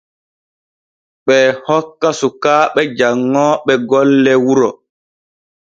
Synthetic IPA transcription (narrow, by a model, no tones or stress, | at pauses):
ɓɛhɔkːasukaːɓɛd͡ʒaŋːɔɓɛɡɔlːɛwuɾɔ